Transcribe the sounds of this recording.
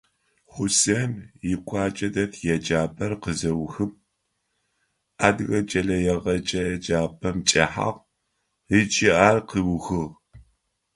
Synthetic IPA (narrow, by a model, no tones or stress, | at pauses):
χʷʊsɐnjɪkʷʰɑːt͡ʃʼɐdɐtʰjɛd͡ʒaːpʰɐrqəzɐwxɨp̚ | aːdɣɐt͡ʃʼɐɮɐjɛʁɐt͡ʃʼɐjɛd͡ʒaːpʰɐmt͡ʃʼɐħa̰ʁ | it͡ʃʼɪʔaːrqiwxɨʁ